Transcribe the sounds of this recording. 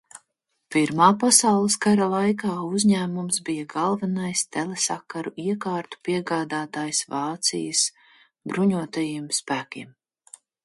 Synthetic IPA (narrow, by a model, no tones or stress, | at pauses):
piɾmaːpasawlˠɨskaɾalˠajkaːuzʲɲæːmumsbijaɡɑlˠvanajst̪ɛlˠesakaɾuiɛkaːɾt̪u̥piɛɡaːd̪aːt̪aːjsvɑːt̪sḭjəs | bɾuɲuɔt̪ajimspæːkʲḭɛm